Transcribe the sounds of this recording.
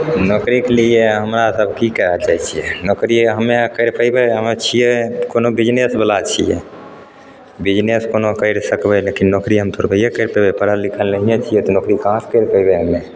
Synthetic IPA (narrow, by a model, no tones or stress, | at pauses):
nokɾiklijeɦəmɾasəbʱkikəɦəd͡ʒajt͡ʃʰijɛnokɾiɦəmːekəɪɾpəjbeɦəmet͡ʃʰijɛkonobid͡ʒnesbəlat͡ʃʰijɛ̰ | bid͡ʒneskonokəɪɾsəkbɛlekinnokɾiɦəmt̪ʰoɾbəjekəɾpəbepəɾəlikʰəlnəɦijẽt͡ʃʰijɛt̪ɔnokɾikãskəjɾpəjbeɦəmːe